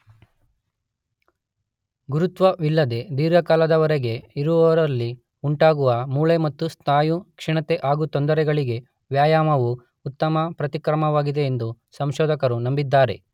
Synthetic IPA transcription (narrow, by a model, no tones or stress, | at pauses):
ɡuɾut̪ʋɐʋilːɐd̪e̞d̪iːɾjɐkaːlɐd̪ɐʋɐɾeɡe̞iɾuʋɐʋɐɾɐlːi | uɳʈaːɡuʋɐmuːɭemɐt̪ːust̪ʰaːjukʂiɳɐt̪eʔaːɡut̪ond̪ɐɾɛɡɐɭiɡe̞ | ʋjaːjaːmɐʋu | ut̪ːɐmɐpɾɐt̪ikɾɐmɐʋaːɡid̪e̞ːnd̪u | sɐmʃɔːd̪ɐkɐɾunɐmbid̪ːaːɾe̞̰